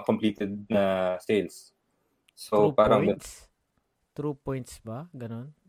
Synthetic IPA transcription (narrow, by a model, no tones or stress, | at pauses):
kompliːt̪ɛd̪̚nɐsejls | sopaːɾɐŋɡɐs | t̪ɾuːpojnt̪sbaɡɐnon